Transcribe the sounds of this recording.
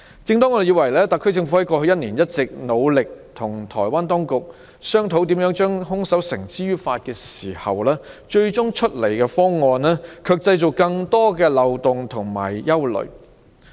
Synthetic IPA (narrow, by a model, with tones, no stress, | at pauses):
t͡sɪ˧ŋt̪ɔː˥ŋɔː˨˧de˨ji˨˧wɐ˨˩jlɛː˥t̪ɐ˨kʰːt͡sɪ˧ŋfu˧˥hɐ˨˥jkɔː˧hɵ˧jɐ˥t̚niː˨˩njɐ˥t̚t͡sɪ˨k̚no˨˧wlɪ˨k̚t̪ʰʊ˨˩ŋt̪ʰɔ̰ː˨˩jwaː˥nt̪ɔː˥ŋkʊ˨k̚ | sœː˥ŋt̪ʰo˨˧˥wt̪̬iː˨˥mjœː˨˥ŋt͡ʃœː˥ŋɦʊ˥ŋsɐ˨˥wsɪ˨˩ŋt͡siː˥ɥyː˥faː˧t̚kɛː˧siː˨˩hɐ̰˨wlɛː˥t͡ʃɵ˧ɥt͡ʃʊ˥ŋt͡ʃʰɵ˥t̚le˨˩jkɛː˧fɔː˥ŋɔː˧nɛː˥kʰœː˧k̚t͡sɐ˧jt͡so˨˩kɐ˧ŋt̪ɔː˥kɛː˧lɐ˨wt̪ʊ˨ŋt̪ʰʊ˨˩ŋma̰ː˨˩jjɐ˥wlɵ̰˨˩ɥ